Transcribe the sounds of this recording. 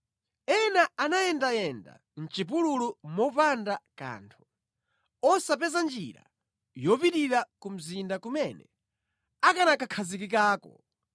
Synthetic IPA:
ɛnaanajɛndajɛnda̰ | n̩t͡ʃip̬ululumɔpandaka̰ːntʰu̥ | ɔsapɛzand͡ʒḭɾa̰ | jɔpitiɾakum̩zindakumɛnɛ̰ | akanakakʰazik̬ikaːkɔ̰

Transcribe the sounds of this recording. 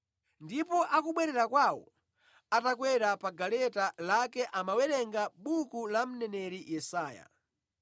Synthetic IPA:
ndipɔʔakuɓwɛɾɛɾakwawɔ̰ | atakwɛɾapaɡalɛtalakɛʔamawɛɾɛŋɡaɓukulam̩nɛnɛɾijɛsaːja̰

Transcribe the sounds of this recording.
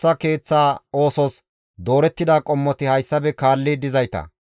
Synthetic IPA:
ɐke̞ːt͡sːaːoːsɔs | d̪o̞ːɾɛt̪ːɪd̪aːkʼɔmːɔt̪ɪhɐjsːɐbɛkaːlːɪd̪ɪzɐjt̪ɐ̰

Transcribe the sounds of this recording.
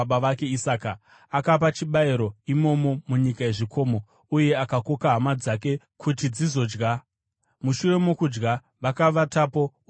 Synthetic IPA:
aʋake̞isaːka | akap̬at͡ʃiɓaiɾo̞imo̞mo̞muɲikae̞ʐikʰo̞ːmo | uje̞akako̞kaɦamad͡zak̬e̞ | kʰutid͡zizo̞ːd͡ʒɡa | muʃure̞mokud͡ʒɡa | ʋakaʋatapo̞

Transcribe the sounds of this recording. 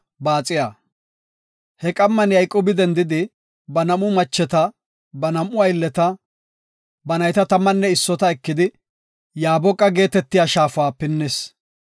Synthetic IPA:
baːt͡sʼɪjaː | hɛkʼɐmːɐnjɐjkʼoːbɪd̪ɛnd̪ɪd̪ɪ | bɐnɐmʊmɐt͡ʃːɛt̪ɐ | bɐnɐmʊɐjlːɛt̪ɐ | bɐnɐjt̪ɐt̪ɐmːɐnːɛɪsːɔt̪ɐɛkːɪd̪ɪ | jaːbɔkʼːɐɡe̞ːt̪ɛt̪ːɪjaːʃaːfʊwaːpɪnːɛs

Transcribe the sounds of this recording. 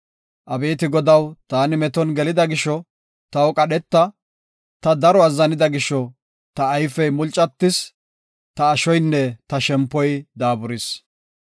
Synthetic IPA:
ʔɐbe̞ːt̪ɪɡɔd̪ɐwt̪aːnɪmɛt̪ɔnɡɛlɪd̪ɐɡɪʃːɔ | t̪ɐwkʼɐɗɛt̪ːɐ | t̪ɐd̪ɐɾɔɐzːɐnɪd̪ɐɡɪʃːɔ | t̪ɐːjfɛjmʊlt͡ʃʼːɐt̪ːɪs | t̪ɐːʃɔjnːɛt̪ɐʃɛmpːɔjd̪aːbʊɾɪs

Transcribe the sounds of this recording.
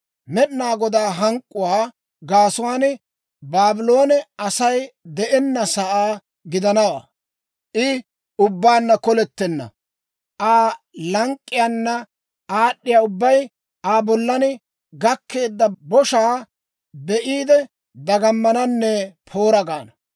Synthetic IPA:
mɛɗnaːɡɔd̪aːɦɐŋkʼːʊwaː | ɡaːsʊwaːnɪ | baːbɪlo̞ːnɛɐsɐjd̪ɛʔɛnːɐsɐʔaː | ɡɪd̪ɐnɐwa̰ː | ʔɪ | ʊbːaːnːɐkɔlɛt̪ːɛnːɐ̰ | ʔaː | lɐŋkʼːɪjaːnːɐ | aːɗːɪjaːʊbːɐj | aːbɔlːɐnɪ | ɡɐkːe̞ːd̪ːɐbɔʃaː | bɛʔiːd̪ɛ | d̪ɐɡɐmːɐnɐnːɛpʰo̞ːɾɐɡaːnɐ

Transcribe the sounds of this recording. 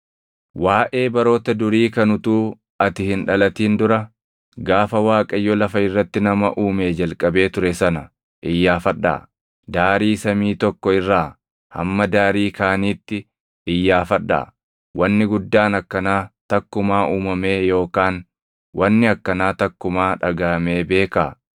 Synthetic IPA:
waːʔe̞ːbɐɾo̞ːt̪ɐd̪ʊɾiːkɐnʊt̪uː | ɐt̪ɪhɪnᶑɐlɐt̪iːnd̪ʊɾɐ | ɡaːfɐwaːkʼɐjːɔlɐfɐɪrːɐt̪ːɪnɐmɐʔuːme̞ːd͡ʒɐlkʼɐbe̞ːt̪ʊɾɛsɐnɐ | ʔɪjːaːfɐᶑːa̰ː | d̪aːɾiːsɐmiːt̪ɔkːɔɪrːaː | hɐ̰mːɐd̪aːɾiːkaːniːt̪ːɪ | ɪjːaːfɐᶑːa̰ː | wʔɐnːɪɡʊd̪ːaːnɐkːɐnaːt̪ɐkːʊmaːʔuːmɐme̞ːjo̞ːkaːn | wʔɐnːɪɐkːɐnaːt̪ɐkːʊmaːᶑɐɡɐɐme̞ːbe̞ːkaː

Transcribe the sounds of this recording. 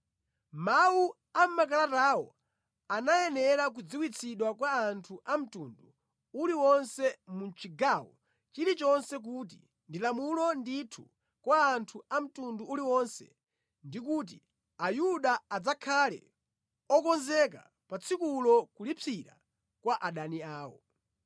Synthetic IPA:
mawu | am̩makalatawɔ̰ | anajɛnɛɾak̬ud͡ziwit͡sʰiɗwakwaːntʰuʔam̩tundu | uliwɔnsɛmunt͡ʃʰiɡawɔ̰ | t͡ʃiɾit͡ʃɔnsɛk̬ut̬i | ndilamulɔnditʰu | kwaːntʰuam̩tunduuliwɔnsɛ̰ | ndik̬uːt̬i | ajuɗaad͡zakʰalɛ̰ | ɔkɔnzɛk̬a̰ | pat͡sʰikulɔkulipʰiɾa̰ | kwaʔaɗaniaːwɔ̰

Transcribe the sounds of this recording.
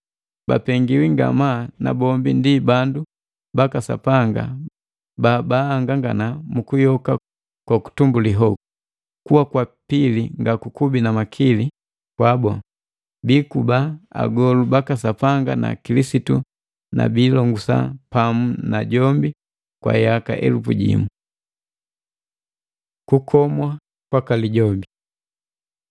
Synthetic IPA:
ba̰pɛŋɡiwiŋɡa̰mana̰bɔmbindibandu | bakasa̰paŋɡa̰ | baːbaːŋɡaŋɡanamukujɔka | kwaku̥tumbuliɦɔku | kuwakwapiliŋɡakukubinamakʰili | kwabɔ | bikubaa̰ɡɔlubakasapaŋɡana̰kilisitu | na̰biːlɔŋɡusa̰pamunaɟɔmbi | kwa̰jaka̰ʔɛ̰lufuɟḭmu | kukʰɔmwa | kwakaliɟɔmbi

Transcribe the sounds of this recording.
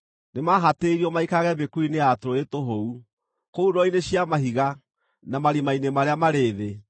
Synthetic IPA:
nemaɦateɾiɔmaikaɣɛbekuineatɾoetoɦou | kouɾɔineɕiamaɦiɣa | namaɾimainemaɾeamaɾeːðe

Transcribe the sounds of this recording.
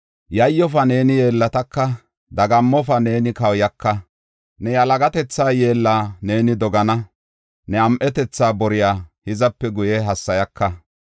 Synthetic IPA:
jɐjːɔfɐne̞ːnɪje̞ːlːɐt̪ɐkːɐ | d̪ɐɡɐmːɔfɐne̞ːnɪkɐwjɐkːɐ | nɛjɐlɐɡɐt̪ɛt͡sːaːje̞ːlːaːneːnɪd̪ɔɡɐnɐ | nɛɐmʔɛt̪ɛt͡sːaːbɔɾɪjaːhɪzɐpːɛɡʊjɛɦɐsːɐjɐkːɐ

